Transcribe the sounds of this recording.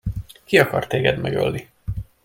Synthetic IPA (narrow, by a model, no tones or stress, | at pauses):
kiɒkɒrt̪eːɡɛd̪mɛɡø̰lːi